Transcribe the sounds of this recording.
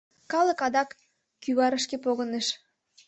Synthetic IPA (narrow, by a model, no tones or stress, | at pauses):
kɑlə̆kɑd̪ɑkː | yβɑɾəʃkepoɣə̆neʃ